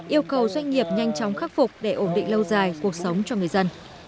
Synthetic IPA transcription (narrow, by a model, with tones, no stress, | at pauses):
ʔi˧əwkə˨˩wzwa˧jŋ̟ŋi˨˩əp̚ɲa˧jŋ̟t͡ɕɔ˨˦wŋ͡mxaː˦˥k̚fʊ˨˩k͡p̚ɗe˧˩ʔo˧˩nɗḭ̈˧˨ŋ̟lə˧wzaː˨˩jku˨˩ək̚sə˨˦wŋ͡mt͡ɕɔ˧ŋɨ˨˩əjzə˧n